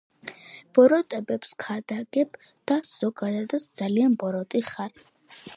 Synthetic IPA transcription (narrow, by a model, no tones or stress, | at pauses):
b̥ɔɾɔt̪ʼɛbɛpskʰad̪aɡɛb | d̪̥az̥ɔɡad̪ad̪at̪sʰd̪zalianbɔɾɔt̪ʼiχaɾi